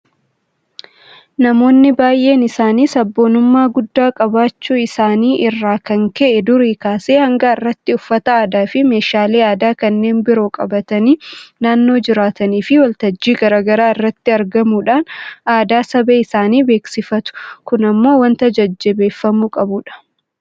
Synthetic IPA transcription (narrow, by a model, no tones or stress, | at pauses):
nɐmo̞ːnːɪbaːjʔe̞ːnɪsaːniːsɐbːo̞ːnʊmːaːɡʊd̪ːaːkʼɐbaːt͡ʃːuːɪsaːniːʔɪrːaːkɐŋkɛʔɛd̪ʊɾiːkaːseːhɐŋɡɐɪrːɐt̪ːɪʊfːɐt̪ɐaːd̪aːfɪme̞ːʃaːleːaːd̪aːkɐnːe̞ːnbɪɾo̞ːkʼɐ̰bɐt̪ɐniːnaːnːo̞ːd͡ʒɪɾaːt̪ɐniːfɪwɐlt̪ɐd͡ʒːiːɡɐɾaːɡɐɾaːɪrːɐt̪ːɪɐɾɡɐmuːᶑaːnaːd̪aːsɐbeːɪsaːniːbe̞ːksɪfɐt̪ʊ̥kʊnɐmːo̞ːwɐnt̪ɐd͡ʒɐd͡ʒːɛbe̞ːfːɐmukʼɐbuːᶑɐ̥